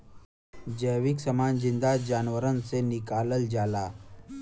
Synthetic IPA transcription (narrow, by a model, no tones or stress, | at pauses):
d͡ʑəjʋiksəmaːnzind̪ad͡ʒaːnʋəɾənsenikaːləld͡ʒaːla